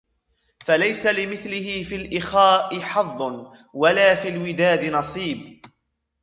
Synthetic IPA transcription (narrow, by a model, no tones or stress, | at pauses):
falajsalɪmɪθlɪhɪfiːlʔɪxaːʔɪħɑðˤː | walaːfiːlwɪd̪aːd̪ɪnɑsˤiːb